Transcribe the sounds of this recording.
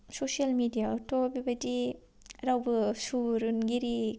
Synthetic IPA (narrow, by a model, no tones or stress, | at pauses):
sosialmidijaɔtɔbibɐdi | ɾawbɯsuɾunɡiɾi